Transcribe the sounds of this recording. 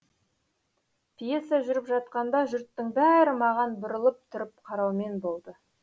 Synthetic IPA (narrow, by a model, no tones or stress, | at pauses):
pʰije̞saʒʏɾəpʒɑt̪̚qɑnd̪ɑʒʏɾt̪ːəŋbæɾɪmɑʁɑnbʊɾəlˠəp̚t̪ʰʊɾəp̚qʰɑɾɑwme̞nbo̞lˠd̪ə